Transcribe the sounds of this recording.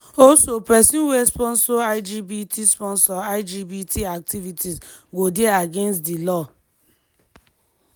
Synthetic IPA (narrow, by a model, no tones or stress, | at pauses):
osopɛsĩnwespɔnsoaɪd͡ʒibitʰispɔnsɔaɪd͡ʒibitʰiak̚tivitiz | ɡodeaɡenstdilɔ